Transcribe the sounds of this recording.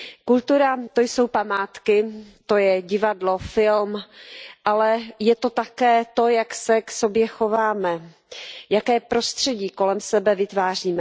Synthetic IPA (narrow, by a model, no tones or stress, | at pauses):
kult̪uɾat̪o̞jso̞wpamaːt̪kɪt̪o̞jɛɟɪvadlo̞fɪlmʔalɛjɛt̪o̞t̪akɛːt̪o̞jaksɛkso̞bjɛxo̞vaːmɛ | jakɛːpɾo̞st̪r̝̥ɛɟiːko̞lɛmsɛbɛvɪt̪vaːr̝iːmɛ